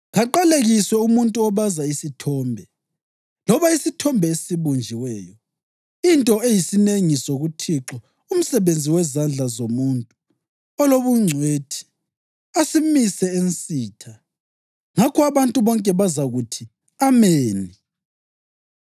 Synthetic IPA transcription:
ɣaǃaleɣiswɛumuntʼuɔβazaisitʰɔːmbʱɛ | lɔβaisitʰɔmbʱɛesiβund͡ʒʱiwɛːjɔ | intʼɔejisineŋisoɣutʰiǁɔ | um̩sɛβend͡zʱiwɛzand͡ɮʱazomuntʼu | ɔloβuŋ͡ǀʱweːtʰi̥ | asimisɛensʼiːtʰa | ŋakʰɔaβantʼuβɔŋkʼɛβazaɣutʰi | ameːni

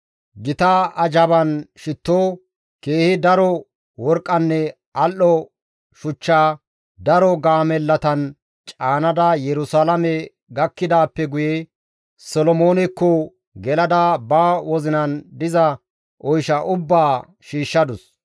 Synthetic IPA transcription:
ɡɪt̪ɐɐd͡ʒɐbɐnʃɪt̪ːoː | keːhɪd̪ɐɾɔ | wɔɾkʼːɐnːɛ | ʔɐlːɔ | ʃʊt͡ʃːaː | d̪ɐɾɔɡaːmɛlːɐt̪ɐn | t͡ʃʼaːnɐd̪ɐjɛɾʊsalɐmɛ | ɡɐkːɪd̪aːpːɛɡʊjɛ | sɔlɔmoːnɛkːɔ | ɡɛlɐd̪ɐbaːwɔzɪnɐnd̪ɪzɐ | ʔɔjʃɐʔʊbːaː | ʃiːʃːɐd̪ʊs

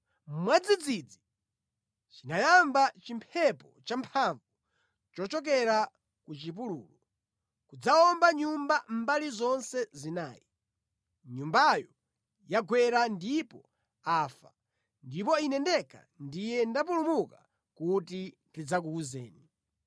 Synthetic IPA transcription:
m̩mwad͡zid͡zid͡zi | t͡ʃinajambat͡ʃimpʰɛpɔt͡ʃampʰaɱvu | t͡ʃɔt͡ʃɔk̬ɛɾa | kut͡ʃip̬ulṵːlu | kud͡zaɔmbaɲumbam̩balizɔnsɛzinaːji | ɲumbajɔ | jaɡwɛɾandipɔ | aːfa̰ | ndip̬ɔinɛndɛka̰ | ndijɛndap̬ulumuka | kutintid͡zak̬ukuzɛ̰ːni

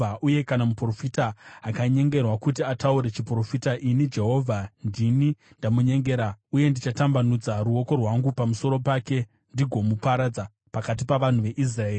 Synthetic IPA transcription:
aʔuje̞kanamupro̞fitaːkaɲe̞ŋɡe̞rwakutiatauɾe̞t͡ʃipro̞fitaʔinid͡ʒe̞ɦo̞vʱandini | ndamuɲe̞ŋɡeɾauje̞ndit͡ʃatambanud͡zaɾuo̞ko̞rwaŋɡupamuso̞ɾo̞pake̞ | ndiɡʱo̞mupaɾad͡za | pakat̬ipaʋan̤uʋe̞ʔis̬raeːri

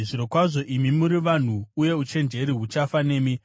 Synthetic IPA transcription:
ʐiɾo̞kwaʐo̞ʔimimuɾiʋan̤uːje̞ut͡ʃe̞nd͡ʒe̞ɾiɦut͡ʃafane̞ːmi

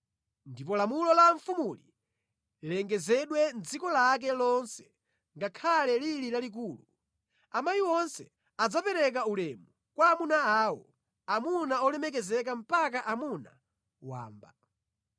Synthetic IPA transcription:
ndipɔlamulɔlaɱfumuli | lɛŋɡɛzɛɗwɛnd͡zikɔlak̬ɛlɔnsɛ̥ | ŋɡakʰalɛlililalik̬uːlu | amajiwɔnsɛ | ad͡zapɛɾɛk̬aulɛmu | kwamunaaːwɔ | amunaɔlɛmɛk̬ɛzɛk̬am̩pak̬aʔamuna̰ | wa̰ːmba

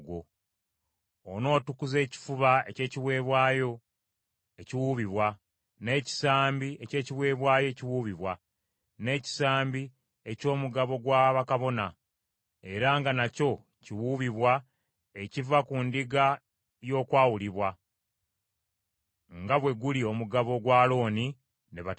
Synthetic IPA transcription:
ɡo | ono̞ːtukuze̞ːci̥fuβaece̞ːciβwe̞ːβwaːjo̞ | eciwuβiβwa | ne̞ːci̥saːmbie̞ce̞ːciβwe̞ːβwaːjoe̞ciwuːβiβwa | ne̞ːci̥saːmbi | e̞co̞ːmuɡaβo̞ɡwaːβakaβo̞na | e̞ɾaŋɡanaco̞ | ciwuβiβwa | ecivakundiɡa | jo̞ːkwaːwuliβwa | ŋɡaβwe̞ɡulio̞muɡaβo̞ɡwaːlo̞ːni | neβa

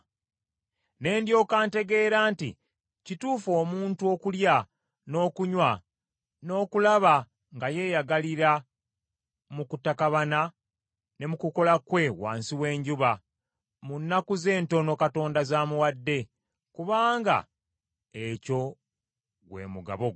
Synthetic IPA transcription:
ne̞ːndjo̞ːkaːnte̞ɡe̞ːɾaːntḭ | cituːfo̞ːmuːntuo̞kulja | no̞ːkuɲwa | no̞ːkulaβa | ŋɡaje̞ːjaɡaliɾa | mukutakaβana | ne̞mukuko̞lakwe̞wa̰ːnsiwe̞ːɲɟuβa | munːakuze̞ːnto̞no̞kato̞ːndazaːmuwadːe̞ | kuβaːŋɡa̰ | eco̞ | ɡwe̞̰ːmuɡa̰βoɡ

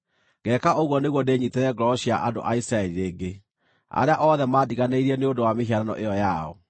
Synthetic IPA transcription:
ɡɛkaʔoɣwɔneɣwɔdeɲitɛɾɛɡɾɔɕiaʔado̰ʔaisɾaɛliɾeːɡe | a̰ɾeaʔɔðɛmaːdiɣaneiɾiɛneodowameɦiaɾanɔ̰ʔeɔjaɔ̰

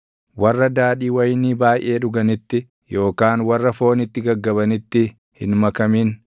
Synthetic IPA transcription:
wɐrːɐd̪aːᶑiːwɐjniːbaːjʔe̞ːᶑʊɡɐnɪt̪ːɪ | jo̞ːkaːnwɐrːɐfo̞ːnɪt̪ːɪɡɐɡːɐbɐnɪt̪ːɪ | hɪnmɐkɐmiːn

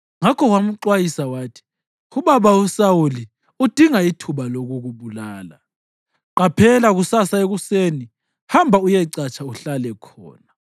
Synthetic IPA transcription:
ŋakʰɔɣwam̩ǃwajisawaːtʰi̥ | uβaβausauli | ud̥ʱiŋaitʰuβaloɣuɣuβulaːla̰ | ǃapʰɛlaɣusasaeɣuseni | hambʱaujɛǀat͡ʃʰauɬalɛkʰɔ̰ːna

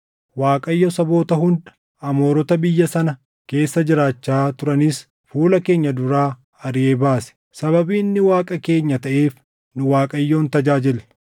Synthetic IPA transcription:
waːkʼɐjːosɐbo̞ːt̪ɐɦʊnd̪ɐ̥ | ɐmo̞ːɾɔt̪ɐbɪjːɐsɐnɐ | ke̞ːsːɐd͡ʒɪɾaːt͡ʃːaːt̪ʊɾɐnis | fuːlɐke̞ːɲːɐd̪ʊɾaː | ɐɾɪeːbaːsɛ̥ | sɐbɐbiːnːɪwaːkʼɐke̞ːɲːɐt̪ɐʔe̞ːf | nʊwaːkʼɐjːo̞ːnt̪ɐd͡ʒaːd͡ʒɪl

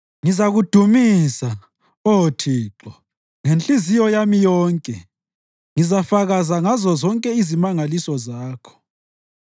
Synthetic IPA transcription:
ŋizaɣud̥ʱumisa | ɔotʰiːǁɔ | ŋent͡ɬʼizijɔjamijɔːŋkʼɛ | ŋizafaɣazaŋazɔzɔŋkʼɛizimaŋalisɔzaːkʰɔ̥

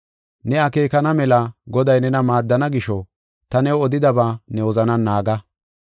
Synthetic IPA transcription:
nɛɐke̞ːkɐnɐmɛlɐɡɔd̪ɐjnɛnɐmaːd̪ːɐnɐɡɪʃɔ | t̪ɐnɛwɔd̪ɪd̪ɐbaːnɛwɔzɐnɐnːaːɡɐ

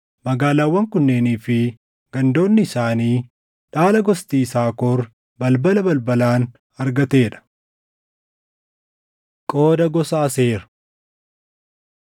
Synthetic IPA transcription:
mɐɡaːlaːwːɐŋkʊnːeːniːfɪ | ɡ̥ɐnd̪o̞ːnːɪːsaːniː | ᶑaːlɐɡɔst̪iːsaːkɔɾ | bɐlbɐlɐbɐlbɐlaːn | ɐɾɡɐt̪e̞ːᶑɐ̥ | kʼo̞ːd̪ɐɡɔsaːse̞ːɾɐ̥

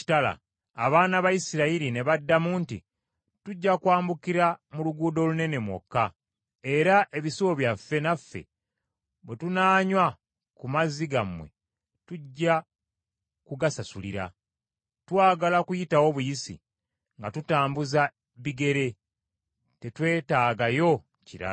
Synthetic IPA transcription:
i̥tala̰ː | βaːnaβajisiɾaiɾine̞βadːamuːntḭ | tuɟːakwaːmbukiɾamuluɡuːdo̞lune̞ne̞mwo̞̰kːa | e̞ɾaʔe̞βisuwoβjafːe̞nafːe̞̰ | bwetunaːɲwa | kumaziɡamwe̞̰ | tuɟːa | kuɡasasulḭɾa̰ | twaːɡalakujitawo̞βujisḭ | ŋɡatutaːmbuza | βiɡe̞ɾe̞ | te̞twe̞ːtaːɡajo̞ | ciɾa̰

